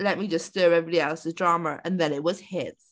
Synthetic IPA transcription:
lɛt̚mid͡ʒʌstɜɹɛviɑɾiɛlˠsɨdɹɑməʔɨ̰̃nðɨ̃nɪt̚wʌz̥hɪt̚

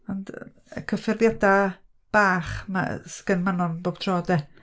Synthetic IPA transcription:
ɔnd̰ | əkʰəfɪrðjada | b̥aːχma̰skənmanɔnboːb̥tʰrɔːdɛ

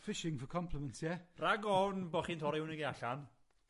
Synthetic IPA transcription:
fɪʃɪŋfɔkʰɔmpʰləmɛ̃ntʰjɛraɡɔnbɔːχiːntʰɔɾɪwnəɡejaɬan

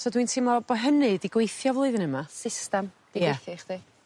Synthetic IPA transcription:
sɔdwintʰiːmabɔɦənɨdiɡwejθjɔvlˠɨðənəmasɪstɛmd̥iɡwɛejθɔχdi

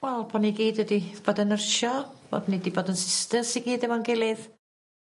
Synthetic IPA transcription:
wɛlˠpʰɔniɡiːdədib̥oːdənərʃɔb̥o̰dnidiboːdənsɪstəsiɡiːdəmɔnɡɪlˠɨð

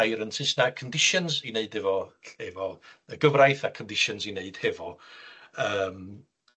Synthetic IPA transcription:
jɾənsʰɪsnakʰəndɪʃɔnzineɨdɛvɔɛvɔəɡəvrajθakʰəndɪʃɔnzineɨd̥hɛvɔ | əːm

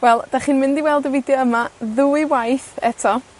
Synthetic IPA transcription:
wɛlˠd̥aχinmɪ̃ndiwɛlˠdɔvɪdjɔəmaðuɨwajθɛtʰɔ

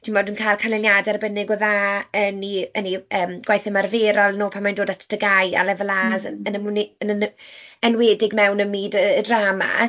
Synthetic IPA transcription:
tʰinmoːdənkʰajlˠkʰanlɪljadɛrbənɪɡɔðaːəniəniəːmɡ̥wajθəmarveːɾɔlˠnoːpʰanmajndoːdatʰəd̥əɡaja̰lˠɛvəlazəənəmniənənənweːdɪɡmɛwnəmiːdəːdraːma̰

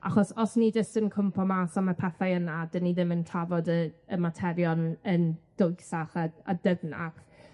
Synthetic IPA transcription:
a̰χɔsɔsnid͡ʒəstənkʰʊmpʰɔmasamapʰɛθajənadəniðɪməntʰavɔdəːmatʰɛɾjɔnənd̥ojsaχaadəvna̰χ

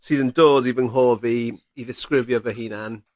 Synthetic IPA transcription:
siːðəndoːdibɪnɦoːvi | iðɪskrɪvjɔvəɦiːnan

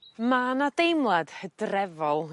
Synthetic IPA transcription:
maːnadejmlˠad̥hədrɛvɔlˠ

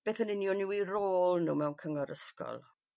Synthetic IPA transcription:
b̥eːθənɪnjɔnɪwiroːlˠnuːmɛwnkʰəŋɔɾəskɔ̰lˠ

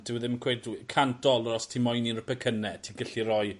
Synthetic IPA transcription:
d̥ɪwəðɪnmnkʰweːdkʰantʰɔlˠəɾɔstʰimɔjninrəpɛkʰənɛtʰiɡəɬirɔj

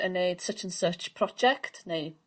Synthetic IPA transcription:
ənejd̥sət͡ʃʰə̃nsət͡ʃpʰr̥ɔd͡ʒɛktʰnej

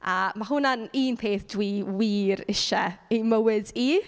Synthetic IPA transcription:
amaɦʊnaniːnpʰeːθd̥wiːwiːɾɪʃɛejməwɪdi

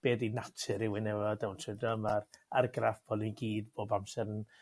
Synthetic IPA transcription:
b̥eːdinatʰɨɾɪwɪnɛvɔdɛwntʰɪdɔmararɡrafb̥ʰɔlˠiɡiːdboːbamsɛɾən

